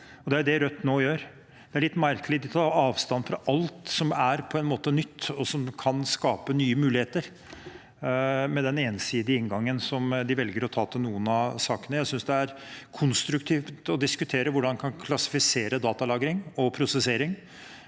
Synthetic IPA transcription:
ɔd̪ɛæɾʊd̪ɛɾœt̪ːnoːjøːɾ | d̪̥ɛæɾɭɪt̪ːmæɾkəlɪd̪ɪt̪ʰɑːɑːʋst̪ɑnːfɾɑʔɑlt̪sɔmæɾpʰɔɛnmoːt̪ənʏt̪ːɔsɔmkʰɑnskɑːpənyːəmʉːlɪheːt̪əɾ | mɛd̪ɛneːnsiːd̪ɪəɪŋɡɑŋːənsɔmd̪ɪʋɛlɡəɾɔt̪ʰɑːt̪ʰɪlnuːənɑsɑːkənəjæɪsʏnsd̪ɛæɾkʰʊnst̪ɾʉkt̪ʰiːft̪ɔd̪ɪskʉt̪ʰeːɾəʋʊɖɑnkʰɑnkʰlɑsɪ̥fɪseːɾəd̪ɑːt̪ɑlɑːɡɾɪŋɔpʰɾʊsɛseːɾɪŋ

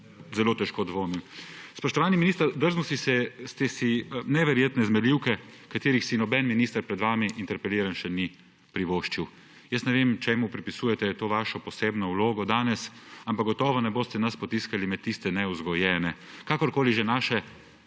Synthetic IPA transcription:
zɛloːt̪ɛʃkoːd̪ʋoːmimspɔʃt̪ɔʋaːniminiːst̪əɾd̪əɾzmɔsisɛst̪ɛsinɛʋɛɾjeːt̪nɛzmɛliwkɛkat̪eːɾixsinɔbɛnminiːst̪əɾpɾɛd̪ʋaːmiʔint̪ɛɾpɛliːɾanʃɛni | pɾiʋoːʃt͡ʃiw | jəsnɛʋeːmt͡ʃɛmupɾipisuːjɛt̪ɛt̪oːʋaːʃɔpɔseːbnɔwloːɡɔd̪aːnɛsampaɡ̚ɡɔt̪ɔːʋɔnɛboːst̪ɛnaspɔt̪iskalimɛt̪ːist̪ɛnɛuzɡɔjɛːnɛ | kaːkɔɾkoːliʒɛnaːʃɛ

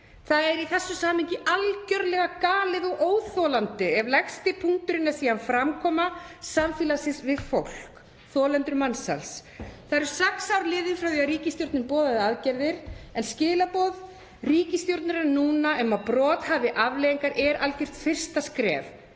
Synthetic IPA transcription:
θaðɛɾiθɛsːʏsaːmhɪɲcɪʔalcœɾlɛɣakaːlɪðɔɣʔoːwθowlant̪ɪɛvlɛxst̪ɪpʰuŋ̥t̪ʏɾɪnːasiːanfɾamkʰɔːmasaɱfiːlasɪnsvɪðfowl̥k | θɔːlɛnt̪ɾmansa̰lsθaɾ̥sɛksawɾlɪːðɪfɾawθiaɾiːcɪst̪jowɾt̪nɪpɔːðaðaðcɛɾðɪɾ̥ɛnscɪːlapɔːð | riːcɪst̪jowɾt̪nʏɾanuːnaʔɛmaðpɾɔːt̪haːvɪʔavleːjiŋkaɾʔɛɾalcɪɾ̥t̪fɪr̥st̪askɾɛ̰ːv

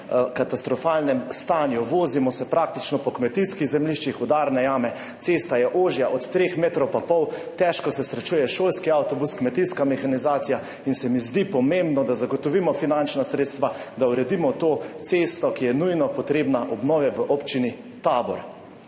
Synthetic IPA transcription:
kat̪ast̪ɾɔfalnɛmst̪aːnjuʋoːzimɔsɛpɾakt̪it͡ʃnɔpɔkmɛt̪iskiɣzɛmliʃt͡ʃixɔd̪aːɾnɛjaːmɛ | t̪sest̪ajɛʔoːʒjaʔɔt̪ːɾexmeːt̪ɾɔwpapɔwt̪ɛʃkɔsɛsɾɛt͡ʃuːjɛʃoːlskiawt̪ɔbuskmɛt̪iskamɛxanizaːt̪sija | insɛmizd̪ipɔmembnɔd̪azaɡɔt̪ɔʋimɔfinant͡ʃnasɾeːt̪st̪ʋad̪awɾɛd̪imɔt̪oːt̪seːst̪ɔkijɛnujnɔpɔt̪ɾeːbnaʔɔbnɔːʋɛʋəʔɔpt͡ʃini | t̪aːbɔ̰ɾ

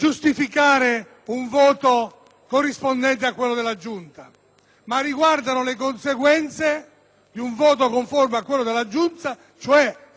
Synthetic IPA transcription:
d͡ʒust̪ifikaːɾe | uɱvɔːt̪o | korːispond̪ɛnt̪̬eakːwelːod̪elːad͡ʒunt̪a | marːiɡward̪anʊlek̬onseɡwɛnt̪se | d̪iuɱvɔːt̪̬okoɱformeakːwelːod̪elːad͡ʒːunt̪a | t͡ʃoɛ

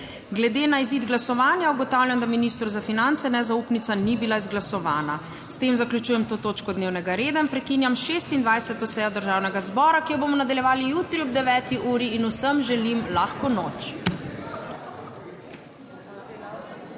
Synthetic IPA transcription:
ɡlɛd̪eːnaiziːd̪ɡlasɔʋaːnjauɡɔt̪awljamd̪aminist̪ɾuzafinant̪sɛnɛzauːpnit̪sanibilaizɡlasɔʋaːna | st̪eːmzaklʲjut͡ʃuːjɛmt̪oːt̪oːt͡ʃkɔd̪neːwnɛɡaɾeːd̪ainpɾɛkiːnjamʃeːst̪ind̪ʋajsɛt̪ɔsɛːjɔd̪əɾʒaːwnɛɡazbɔːɾakijɔbomɔnad̪aljɛʋaːlijuːt̪ɾiɔb̚d̪ɛʋɛːt̪iʔuːɾiːnusəmʒɛlimlaːxkɔnoːt͡ʃ

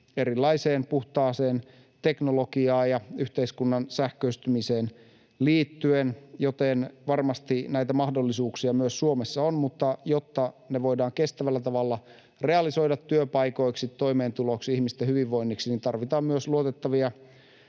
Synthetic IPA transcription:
e̞ɾilːɑiseːnpuht̪ɑːseːn | t̪e̞knolokiɑːjɑyht̪eiskunːɑnsæhkøyst̪ymiseːn | liːt̪ːyenjot̪enʋɑrmɑst̪inæit̪æmɑhdolːisuːksiɑmyøsːuomesːɑonmut̪ːɑjot̪ːɑneʋo̞idɑːŋke̞st̪æʋælːæt̪ɑʋɑlːɑ | re̞ɑliso̞idɑt̪ːyøpɑjko̞iksit̪tːo̞imeːnt̪uloksihmist̪ehyʋiʋːo̞inːiksinint̪ɑrʋit̪ɑːmmyøsluot̪et̪ːɑʋiɑ

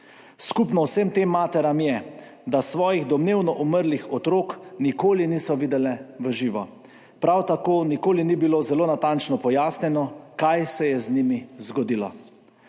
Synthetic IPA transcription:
skupnɔwsemt̪eːmːaːt̪ɛɾamjɛ | d̪asʋɔːjiɣd̪ɔmneːwnɔʔuməɾlixɔt̪ɾoːknikoːliniːsɔʋiːd̪ɛlɛʋəʒiːʋɔ | pɾawt̪akoːnikoːlinibilozɛloːnat̪ant͡ʃnɔpɔjaːsnʲjɛnɔkajsɛjɛznimizɡɔd̪ilɔ̰

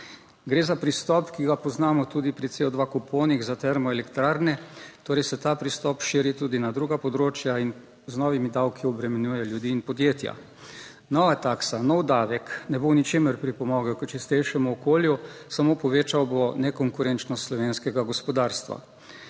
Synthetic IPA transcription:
ɡɾeːzapɾist̪ɔpkiɡapɔznaːmɔt̪uːd̪ipɾit̪seːɔd̪ʋakupʰoːniɣzat̪ɛɾmɔɛlɛkt̪ɾaːɾnɛt̪oːɾɛjsɛt̪aːpɾist̪ɔpʃiːɾit̪uːd̪inad̪ɾuːɡapɔd̪ɾoːt͡ʃjain | znɔʋimid̪awkiɔbɾɛmɛnjuːjɛljud̪iːnpɔd̪jeːt̪ja̰ | nɔʋat̪aːksanɔwd̪aːʋɛknɛbonit͡ʃeːməɾpɾipɔmɔːɡɛkət͡ʃist̪ɛjʃɛmuɔkoːljusamoːpɔʋeːt͡ʃawbonɛkɔŋkuɾɛnt͡ʃnɔst̪slɔʋeːnskɛɡaɡɔspɔd̪aːɾst̪ʋa̰

